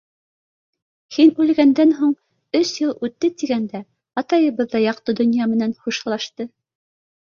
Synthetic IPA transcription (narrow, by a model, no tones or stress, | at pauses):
hinʉlɡænd̪ænɦuɴ | ɵsjɤlˠʉt̪ːɘt̪iɡænd̪æ | ɑt̪ɑjɤ̆βɤðːɑjɑq̚t̪ɤd̪ŏnjɑmɘ̆nænχuʃ̆lˠɑʃt̪ɤ